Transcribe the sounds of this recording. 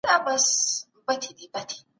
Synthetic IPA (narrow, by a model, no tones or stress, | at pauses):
dabɐs | bɐtidibɐtʰi̥